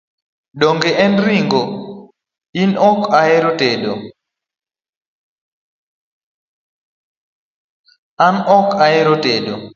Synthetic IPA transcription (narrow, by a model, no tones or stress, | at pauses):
ɗoŋɡeɛnɾiŋɡo | inɔkaeɾotedo | anɔkaeɾotedo